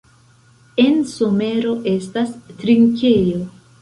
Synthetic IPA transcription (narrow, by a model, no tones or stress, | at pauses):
e̞nso̞me̞ɾo̞ʔe̞stastɾiŋke̞jo̞